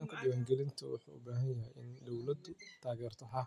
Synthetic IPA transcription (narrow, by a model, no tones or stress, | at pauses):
ŋkʰɐɖɪwaːŋɡɛlɪnt̪ʰɔwʊ̰ħṵːʊ̰baːɦɐjjɐɦɛjʔɪnd̪ɔwlɐd̪ʊt̪ʰaːɣɛːrt̪ʰɐɦa